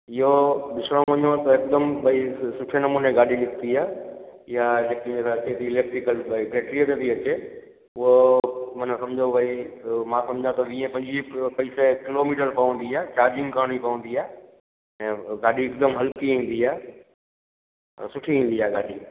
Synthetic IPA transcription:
ɪɦoɗɪsɽ̃õʋɐ̃ɲot̪ɐɪkd̪əmbɐisʊʈʰenɐmuːnẽɡaːɗinɪkt̪iaːɦjaleːkĩet̪at͡ɕet̪iɪleːk̚ʈɾɪkəlpeːʈɾieʈ̪ət̪iɐt͡ɕe | ʊɦomɐːnãsɐ̃md͡ʑʱoʋɐimãsɐ̃md͡ʑʱãt̪ɐʋĩːẽpɐ̃ɲd͡ʑipɐiːsekɪloːmiːʈəɾpɐʋə̃n̆d̪iaːet͡ɕaːɾd͡ʑɪ̃ŋɡkaːɽ̃ipɐʋə̃nd̪iaːe | ɛ̃ːɡaːɗiɪkd̪əmɦɐlkiɦĩːn̆d̪iaːɦe | sʊʈʰiĩːnd̪iaːɡaːɗi

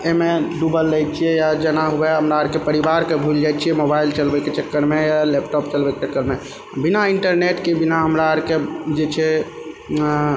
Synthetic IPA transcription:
emeɖubəlːajt͡ʃʰijɛjad͡ʒənaɦubɛɦəmɾaəɾkepəɾibaɾkebʱuld͡ʒajt͡ʃʰijɛmobailt͡ʃəlbɛket͡ʃekːəɾmejalepʈɔp̚t͡ʃəlbɛket͡ʃekːəɾme | binaiɳʈəɾneʈkebinaɦəmɾaəɾked͡ʒet͡ʃʰɛ

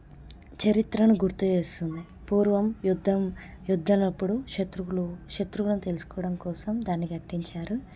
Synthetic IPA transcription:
t͡ʃɐɾit̪ɾɐnuɡuɾt̪uʋe̞ːst̪und̪i | puːɾʋɐmjud̪ʱːɐm | jud̪ʱːɐmnɐpːuɽuʂet̪ɾukluʂet̪ɾukulɐnut̪e̞lusu̥kɔːɐɽɐmkɔːsɐmd̪aːnːikɐʈːiɲt͡ʃaːɾu

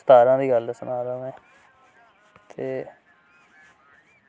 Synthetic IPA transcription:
st̪aːɾãːd̪iːɡəld̪əsənaːɾəʋɛ̃ː | t̪ʰeː

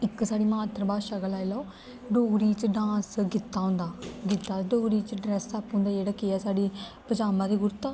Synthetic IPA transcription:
ɪkːsaːɽiːmaːt̪ɾəbaːʃəɡəlaːilaoː | ɖoːɡɾiːt͡ʃɖãːsɡɪt̪ːaːɦʊ̃nd̪aːɡɪt̪ːaːɖoːɡɾiːt͡ʃɖɾɛsaːpːɦʊ̃ːnd̪aːd͡ʒeːɽaːkeːaːsaːɖiːpəd͡ʒaːmãːd̪eːɡʊɾt̪aː

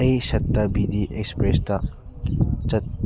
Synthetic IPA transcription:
ejsɐtːɐbidiʔek̚spɾestɐ | t͡ʃɐt̚

